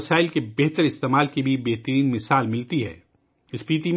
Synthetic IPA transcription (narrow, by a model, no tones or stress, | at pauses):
saːɪlkebɛɦt̪əɾɪst̪eːmaːlkibʱibɛɦt̪əɾiːnmɪsaːlmɪlt̪iɦɛ̰ː | ɪspiːt̪i